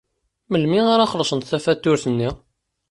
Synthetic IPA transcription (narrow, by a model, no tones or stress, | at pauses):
məlmiaɾaχəlsənt̪θæfæt̪ːʊɾθənːi